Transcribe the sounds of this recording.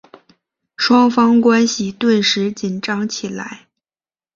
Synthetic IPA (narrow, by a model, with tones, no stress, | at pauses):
ʂwɑ˥ŋfɑ˥ŋkwa˥nɕi˨t̪we˥˩ɪʂɻ̩˧˥t͡ɕi˨˩nʈ͡ʂɑ˧˥ŋt͡ɕʰi˨˩la̰˧˥ɪ